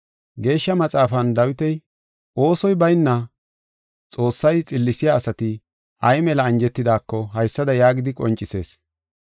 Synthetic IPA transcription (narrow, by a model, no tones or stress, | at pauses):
ɡe̞ːʃːɐmɐt͡sʼaːfɐnd̪ɐwɪt̪ɛj | o̞ːsɔjbɐjnːɐ | t͡sʼo̞ːsːɐjt͡sʼɪlːɪsɪjaːsɐt̪ɪ | ʔɐjmɛlɐːnd͡ʒɛt̪ːɪd̪aːkːɔɦɐjsːɐd̪ɐjaːɡɪd̪ɪkʼɔ̰nt͡ʃʼːɪse̞̰ːs